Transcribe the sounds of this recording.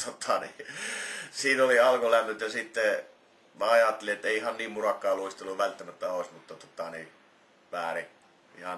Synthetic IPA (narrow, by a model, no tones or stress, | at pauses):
t̪ot̪ʰɑni | siːnoliɑlkolænːyt̪jɑsit̪ːe | mæɑjɑt̪ːeliet̪ːeˑiihɑnniːmmurɑkːˑɑːluist̪elːuʋʋælt̪ːæmæt̪ːæoˑisʲmut̪ːɑt̪ot̪ɑni | ʋæːri | ḭhɑn